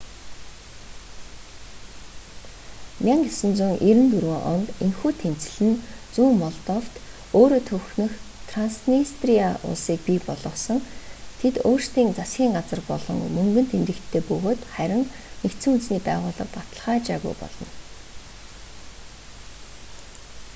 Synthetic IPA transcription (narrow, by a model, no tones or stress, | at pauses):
mʲaŋɡesɵ̆nt͡sŭŋʔiɾɘ̆nt̪uɾwɘ̆ŋʔɔ̰nt̪enxuːt̪ʰem̥t͡sɘ̆ɮɘ̆nt͡suːŋmɔɮt̪ɔft̪ | oːɾoːt̪ʰɵwxnɵ̆xt̪ʰransnist̪rijaʔʊ̰ɮsiːk̚pipɔɮɞ̆sɞ̆ŋt̪ʰet̪oːr̥st̪iːŋt͡sasɡʲiːŋɢat͡sə̆rpɔ̰ɮɞ̆ŋmɵŋɡɵ̆nt̪ʰemt̪ɘ̆kt̪ʰːeːpɵɣoːt̪χæɾʲɪ̆ŋ | nekt̪sɘ̆ŋunt͡sniːpæːʁʊːɮə̆rpat̪ə̆ɮχaːt͡ɕaːɣṵjpɔ̰ɮɞ̆n